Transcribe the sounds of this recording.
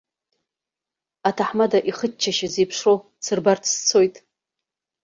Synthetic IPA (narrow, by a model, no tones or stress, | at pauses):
atʰaħmadaʔiχətt͡ʃʰaʃazejpʰʂrow | t͡sʰɨrbartʰst͡sʰo̞jtʼ